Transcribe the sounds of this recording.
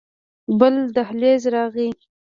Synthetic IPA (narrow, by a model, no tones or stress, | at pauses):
bəld̪ahlezɾɑɣi